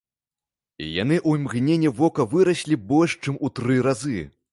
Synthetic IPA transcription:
ḭja̰nɨʔuimɣnʲenʲːɛvɔkɐvɨɾɐsʲlʲibɔlʲʂt͡ʂɨmut̪ɾɨɾazɨ

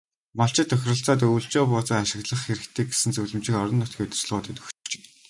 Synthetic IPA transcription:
maɬt͡ɕɪ̆t̪ʰːœxʲrə̆ɬt͡saːt̪̬uwɬt͡ɕɔːpʊːt͡sə̆ːaʃɪ̆ɣɮə̆χxeɾɘ̆kt̪ʰeːkɡe̥sɘ̆nt͡sɵwɮɵ̆mt͡ɕɪ̆kɔɾɞ̆nːʊt̪ɡʲiːt̪̆rt͡ɕɮʁʊːt̪eːt̪ɵ̥xtt͡ɕe̥ː

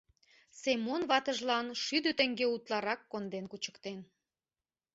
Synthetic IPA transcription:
semonβɑt̪əʒlɑnʃyd̪øt̪ə̆ŋɡeut̪lɑɾɑkːond̪enkut͡ɕə̥̆kt̪en

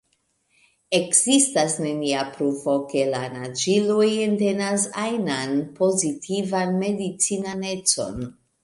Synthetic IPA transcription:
e̞kzistasne̞niapɾufo̞ke̞lanad͡ʒilujente̞nasajnanpo̞zitʰivanme̞dit͡sinane̞t͡so̞̰n

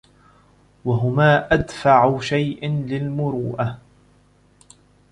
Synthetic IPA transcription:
waɦʊmaːʔad̪faʕʊʃajʔɪnlɪlmʊɾuːʔa

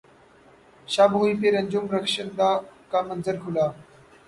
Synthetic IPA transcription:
ɕaboifeɾəɲd͡ʑumɾəkʂənd̪akamənd͡zəɾkʰula

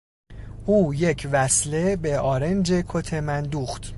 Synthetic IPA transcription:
ʔuːje̞cʰvæsle̞be̞ɒːɾe̞nd͡ʒe̞kʰot̪ʰe̞mænd̪uːxt̪

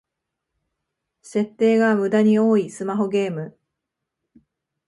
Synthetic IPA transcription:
se̞t̪ːe̞ːɡamɯ̟d̪aɲ̟io̞ːisɨmaɦo̞ɡe̞ːmɯ̟

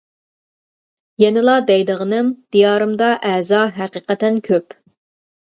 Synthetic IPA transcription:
jɛnɨlˠɑd̪ɛjd̪əʁənɨmd̪̥ijɑːɾɨmd̪ɑʔɛzɑɦæqiqɛt̪ːɛnkʲʰøp

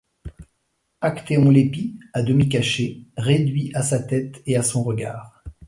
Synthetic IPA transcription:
akt̪eɔ̃lepiad̪əmik̬aʃeʁed̪ɥiʔasat̪ɛt̪easɔ̃ʁəɡa̰ːʁ

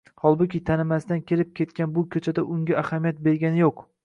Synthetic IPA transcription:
hɒlˠbʊkʲɪt̪ʰanɪmast̪ankʲʰe̞lɪp̚kʲʰe̞t̪kʲanbʊkʲʰɵt͡ʃʰad̪aʔʊŋɡʲaʔahamijat̪̚be̞ɾɡʲanɪjoq

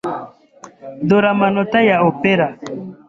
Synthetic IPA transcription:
d̪oɾamanɔtajaopeɾa

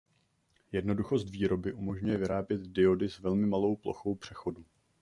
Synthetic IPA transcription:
jɛdno̞duxo̞st̪viːɾo̞bɪʔumo̞ʒɲujɛvɪɾaːbjɛt̪dɪo̞dɪsvɛlmɪmalo̞wplo̞̰xo̞wpr̝̥ɛxo̞du

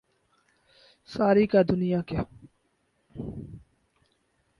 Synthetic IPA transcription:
saːɾiːkad̪ʊnijaːka

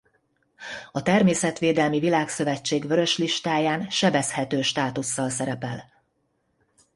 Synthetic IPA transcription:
ɒt̪ɛrmeːsɛt̪ʋeːd̪ɛlmivilaːksø̞vɛt͡ʃːeːɡʋø̞ɾø̞ʃliʃt̪aːjaːnʃɛbɛshɛt̪øːʃt̪aːt̪usːɒlsɛɾɛpɛl

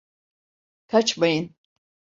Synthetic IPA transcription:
t̪ʰat͡ʃʰbajin

